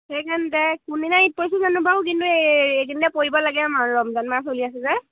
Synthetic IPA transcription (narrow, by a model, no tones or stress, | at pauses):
ekandɛkuninaipɔsuzanubakk̬intueɡindɛpoibɔlaɡɛmaɹɔmzanmasoliasɛzɛ